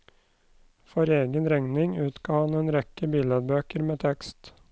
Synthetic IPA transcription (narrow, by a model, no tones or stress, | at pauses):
fɔɾeːɡənɾɛŋnɪŋʉːt̪ɡ̥ɑːhɑneːnɾɛkəbiːlɛd̪̚bøːkəɾmeːt̪ʰɛkst̪